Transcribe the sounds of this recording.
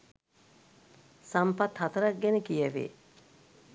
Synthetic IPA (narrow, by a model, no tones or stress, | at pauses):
sampɐt̪hɐt̪əɾɐk̚ɡɛnəkijəʋḛː